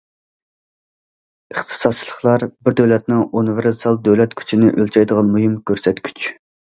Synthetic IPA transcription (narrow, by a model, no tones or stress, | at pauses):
əχt̪ʰɨ̥sɑd̪̚t͡ʃʰilˠəχlˠɑɾbɪɾd̪øwlɛt̪̚nɪŋunveɾsɑlˠd̪øwlɛt̪kʲʰy̥t͡ʃʰinɪʔølt͡ʃʰɑjd̪əʁɑnmujimkʲʰøɾsɛt̪kʲʰy̥t͡ʃ